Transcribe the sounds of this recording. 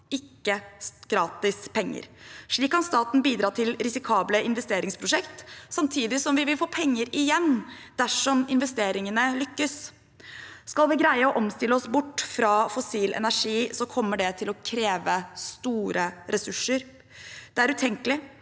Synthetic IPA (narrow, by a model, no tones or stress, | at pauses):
ɪkːəɡ̥ɾɑːt̪ɪspʰɛŋːə̰ɾʂɭiːkːɑnst̪ɑːt̪n̩biːd̪ɾɑːʈ̪ʰɪlɾɪsɪkʰɑːbləɪn̪ʋɛst̪eːɾɪŋspʰɾʊʂɛkt̪sɑmt̪ʰiːd̪ɪsɔmʋɪʋɪlfoːpʰɛŋːəɾɪjɛnːd̪̥æʂɔmɪnʋɛst̪eːɾɪŋənəlʏkːəs | skɑlˠʋɪɡɾæɪəɔʔɔmst̪ɪlːəɔsbʊʈːfɾɑfɔsiːlʔɛ̰næʂiːsɔkʰɔmːəɖɛt̪ʰɪlɔkʰɾeːʋəst̪uːɾʔəɾɛsʉʂəɾ | d̪̥ɛæɾʉːt̪ʰɛŋkəlɪ